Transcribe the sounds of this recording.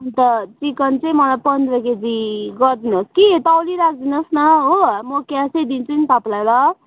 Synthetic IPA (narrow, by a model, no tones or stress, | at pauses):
t̪ʌt͡sikʌnt͡sʌĩmʌlajpʌnd̪rʌked͡ziɡʌɾd̪inooskiet̪ʌliɾak̚ʰd̪inosnʌɦomʌkjãsed̪int͡sʰunit̪ʌplajlʌ